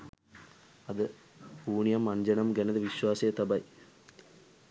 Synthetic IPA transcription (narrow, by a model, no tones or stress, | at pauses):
ɐd̪ə | uːɳijɐmːɐnd͡ʒɐnɐmɡɛnɐd̪əʋiʃʋaːsɐjɐt̪ɐbɐj